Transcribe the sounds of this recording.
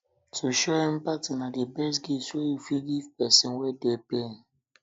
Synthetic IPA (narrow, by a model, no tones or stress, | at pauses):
tʰuʃɔɛ̃mpatinadebɛs̬ɡiswɛjufilɡivpɛsɔ̃nwɛdepẽn